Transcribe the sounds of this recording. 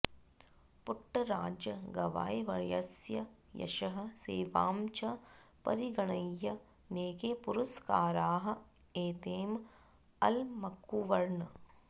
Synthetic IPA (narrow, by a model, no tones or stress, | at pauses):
puʈːɐɾaːd͡ʒɐɡɐʋa̰ːjʋɐɻjɐsjɐ | jɐ̰ʃɐɦɐ̆seːʋa̰ːmt͡ʃɐpɐ̰ɾiɡɐɳɐjːɐ | neːkepuɾuskaːɾaːɦɐ̆ | eːt̪eːm | ɐ̰lmɐkuʋɐɾɳ